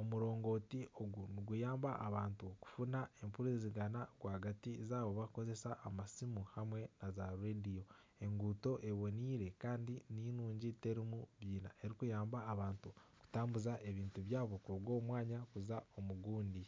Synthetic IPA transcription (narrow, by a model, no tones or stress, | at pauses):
o̞muɾo̞ːŋɡo̞ːtio̞ɡuniɡujaːmbaʔaβaːntuku̥funae̞mpuɾeziɡanaɡwaːhaɡatizaːβo̞βako̞ze̞saʔːmasimuhamwe̞nazaɾɾedio̞ | e̞ŋɡuto̞ʔe̞βo̞niːɾe̞kaːndininuːɲɟite̞ɾimuβjiːna̰ʔe̞ɾikujaːmbaːβaːntuku̥taːmbuzaʔe̞βiːntuβjaːβo̞kuβwo̞ːmwaːɲakuzao̞muɡuːndi